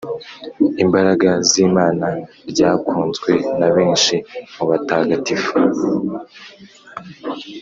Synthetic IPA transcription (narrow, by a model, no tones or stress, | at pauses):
imbaɾaɡaziːmaːna | ɾɟaːkuːnzɡwe̞naβeːnʃimuβataːɡatifu̥